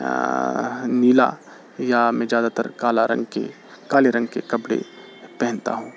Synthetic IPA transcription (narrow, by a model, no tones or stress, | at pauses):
niːla̰ | jamɛ̃ːzjaːd̪at̪ɐ̰ɾkaːlaɾɐ̰̃ŋɡkḛ | kaːleɾɐ̃ŋɡkekɐbɽḛ | pɛɦɪ̃nt̪a̰ɦũː